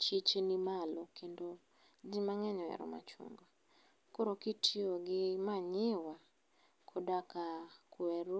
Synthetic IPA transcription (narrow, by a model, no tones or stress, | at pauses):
t͡ʃit͡ʃenimalɔkʰendo | d͡ʒɪmaŋɛɲɔɛ̰ɾɔ̰ma̰t͡ʃo̰ŋɡa | koɾokitʰioɡɪmaɲɪwa | kʰodakakwɛɾo